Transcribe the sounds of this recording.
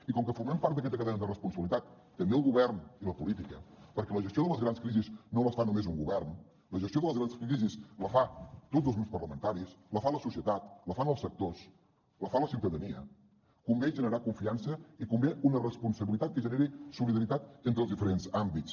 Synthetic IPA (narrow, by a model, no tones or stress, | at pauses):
ikɔŋkəfuɾmɛmpaɾt̪d̪əkɛt̪əkəðɛɲəðərəspunsəβilit̪at̪ːəmbeəlˠɣuβɛrniləpulit̪ikəpəɾkɛləʒəst̪joðələzɣɾanskɾiziznoləsfanumezuŋɡuβɛrn | ləʒəst̪ioðələzɣɾansɾizisləfat̪odzəlˠznupspərləmənt̪aɾisləfaləsusiət̪at̪ləfanəlˠsək̚t̪os | ləfaləsiwt̪əðəniə̰ | kumbɛʒənəɾakuɱfiansəikumbɛunərəspunsəβilit̪at̪̚kəʒəneɾisuliðəɾit̪at̪ent̪ɾəlzðifəɾenzambit͡s